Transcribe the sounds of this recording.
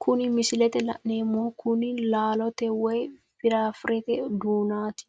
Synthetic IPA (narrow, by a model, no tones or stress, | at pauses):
kʰʊnɪmɪsɪlɛt̪ɛlɐ̰ʔneːmːoːkʰʊnɪlaːlɔt̪ɛwɛj | fɪɾaːfɾɛt̪ɛd̪uːnaːt̪ɪ̥